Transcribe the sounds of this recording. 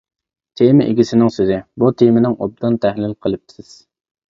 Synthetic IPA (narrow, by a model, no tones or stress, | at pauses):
t̪ʰemɪʔɪɡʲisɪnɪŋsøzɪbut̪ʰemɪnɪŋo̰b̚d̪ɨnt̪ʰæhlɪlqʰəlˠɨp̚t̪ʰɪ̥sɪz̥